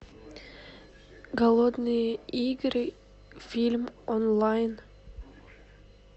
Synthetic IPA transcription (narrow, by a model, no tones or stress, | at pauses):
ɡɐlˠod̪nɨiɡɾ | fʲilʲmɔnlˠajn